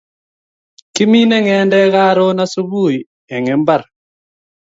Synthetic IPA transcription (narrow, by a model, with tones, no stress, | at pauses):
ki˦mi˦nɛ˦ŋɛ˨˦ndɛ˦ɣa˦ɾo˦na˦su˦βu˦˨i | ɛ˨ŋɛ˨mba˦˨ɾ